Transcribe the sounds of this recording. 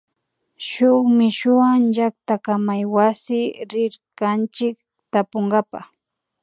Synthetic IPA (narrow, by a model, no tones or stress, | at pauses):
ʃʊχmɪʃʊaŋʒakt̪akamajwasɪɾɪɾkant͡ʃɪk̚ | t̪apoŋɢapa̰χ